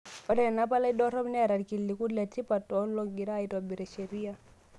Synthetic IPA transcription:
ɔ˨dɛ˦ɛ˨na˦pa˦la˦i˦dɔ˦ɾɔ˦mnɛ˦a˨ɾa˨ɾki˨lːi˨ku˦lɛ˨ti˦pa˨tɔ˨˦lɔ˦ɡi˨ɾaː˦˨i˦twa˨bi˨ɾɛ˨ʃɛ˨ɾi˦a˦

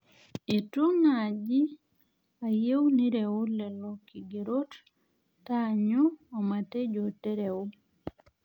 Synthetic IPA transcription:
e˨tu˦na˨d͡ʒi˦ | a˨je˦wni˦ɾe˨o˦lɛ˨lɔ˨ki˨ɡe˨ɾo˦t | ta˦ɲu˦ɔ˨ma˨te˦d͡ʒo˨te˦ɾe˨ʊ˦

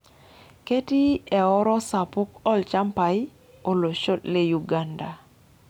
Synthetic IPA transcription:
ke˦ti˦ɛ˨ɔ˦ɾɔ˦sa˨pʊ˦kɔ˦lt͡ʃa˦mpa˨j | o˨lo˨ʃo˦tle˦ju˨ɡa˦nda˨

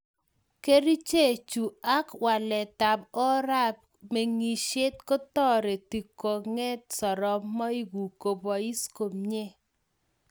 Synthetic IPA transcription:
ke˦ɾi˦t͡ʃe˦˨t͡ʃu˨a˦kwa˨lɛ˨ta˨bɔ˦ɾa˦p̚ | me˨ŋi˨ʃe˦t̚ko˦tɔ˦ɾe˨ti˨ko˨ŋɛ˦t̚sɔ˨ɾɔ˨mɔ˦i˦ɡu˨ko˨bɔ˨i˦sko˨mɲe˦

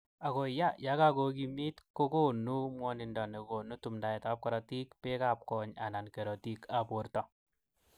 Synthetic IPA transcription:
a˨ko˨ja˦ja˦ka˦ko˨k̬i˧mi˦tko˦ko˦nu˦mwɔ˦ni˧ndɔ˨ne˨ko˨nu˦tu˨mnda˨ɛ˨ta˨˦p̚kɔ˦ɾa˨ti˦kpe˦ka˨p̚kɔ˨ɲa̰˨na˨nke˨ɾɔ˨ti˦ka˨po˨ɾtɔ˨

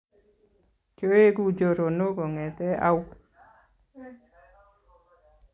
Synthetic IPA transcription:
ko˦e˦ɡu˦d͡ʒo˨ɾo˨no˦ɡo˨ŋɛ˨t̪ɛ˦a̰˦w

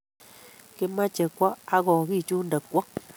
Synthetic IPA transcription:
ke˧mã˦t͡ʃe˨kʷa˦ʔa˦ɣɔ˨ɣi˦˨t͡ʃu˦nd̪ə˨kʷa˦

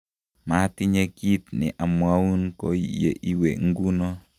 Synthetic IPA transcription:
ma˨˦ti˦ɲe˦ki˦t̪nɪ̰˨ʔa˨mwa˦wu˦nko˦ḭ˨jḛ˨ʔi˦we˨ŋ˦ɡu˦nɔ˦

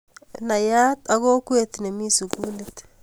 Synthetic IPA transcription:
na˨ja˦t̪a˨ɣo˦kwe˨t̪ne˨mi˦su˨ɡuː˦let̪

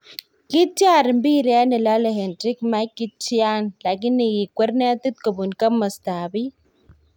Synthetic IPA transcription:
ki˦ta˦˨ɾmbi˦ɾɛ˦ni˨la˦le˨ɦe˨ndɾi˦kma˦kːi˦t͡ʃi˦a˦nla˨k̬i˦nːi˨ji˨kwʷe˦ɾne˦t̪i˦t̪̚ko˨bu˨nkɐ˦mɐ˨staː˨bi˦

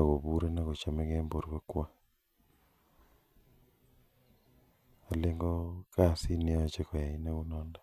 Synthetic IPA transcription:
a˨ɣo˨βu˦ɾe˦na˦ɣo˨t͡ʃa˨me˦ɣe˦mbo˨ɾka˦kwa˦ | a˨leŋɡo˦ka˦˨si˦ne˦˨t͡ʃe˦ko˨ja˨i˦na˦ɣu˦nɔː˦nda

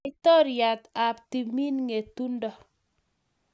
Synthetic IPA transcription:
tɔ˦ɾja˨t̪a˨pti˨mi˦nŋe˨tu˦ndɔ˨

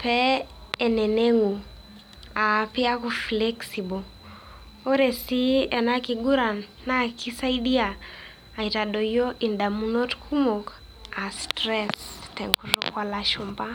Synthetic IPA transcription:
pɛɛ˨nɛ˨nɛŋu˨ | api˦a˦ku˨flɛksi˨bɔ˨ | o˦ɾɛ˨si˦ɛ˨naki˨ɡu˦ɾa˨nːa˦kʰi˦sa˦iɗi˦a˨ | a˨itaɗɔ˨jɔ˦ʔi˨nda˨munɔ˦tkʰu˦mɔ˨k | a˨stɾɛstɛ˨ŋkuɾɔkwalaʃumba˦

